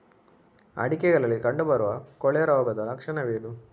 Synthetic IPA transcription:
ɐ̰ɽikɛɡɐɭɐlːikɐɳɖubɐɾuʋɐkɔɭɛɐɾaːɡɐd̪ɐlɐkʂɐɳɐʋeːd̪u

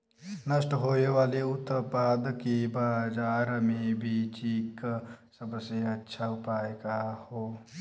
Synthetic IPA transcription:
nəsʈɦoːeʋaːleʊt̪paːd̪kebaːd͡ʒaːɾmẽbʱit͡ʃiːksəbseɐtːʃʰaʊpaːjkahoː

